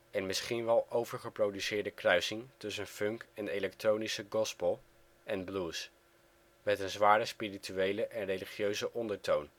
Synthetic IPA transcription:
ɛnmɪsχinʋɛlˠʔowvəɹχəprowdysɪːɹdəkrœɥsɪŋtɵsənfɵŋkɛnejlɛktrownisəɡɔspəlˠ | ʔɛnbluːs | mɛtənzʋaːɾəspirityejləʔɛnrejliχjøɥzəʔɔndəɹtown

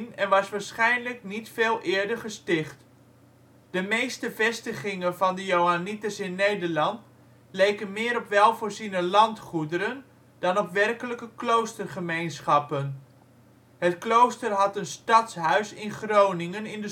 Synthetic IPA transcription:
nɛnʋɑsʋaːɹsχɛjnləknitfeːlˠʔɪːɹdəɹχəstɪχt | d̥əmejstəvɛstəχɪŋəvɑndəjowanitəsɪnːejdəɹlɑnt | lejkənmɪːəɾɔpʋɛlˠvoːɹzinəlɑntχudəɾən | d̥ɑnɔpʋɛrkələkəklowstərχəmejnsχɑpən | hətklowstərɦɑtənstɑtsɦœɥsɪnχrownɪŋənɪndə

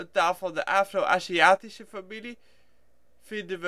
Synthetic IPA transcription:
daːlˠfɑlˠdəʔafroʔasiaːtiʃəfamili | fidəv

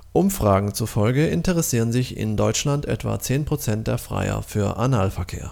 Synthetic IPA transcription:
ʔʊmfʁ̥aːɡŋ̩t͡sufɔlɡəʔɪntəʁɛsiːʁənzɪçɪ̰ndɔʏt͡ʃlantʔɛ̰tv̥a̰t͡seːnpʁ̥ot͡sɛnt̚d̥eːɐfʁ̥a̰ɪɐ̰fyːɐʔanaːlfɛɐkʰeːɐ

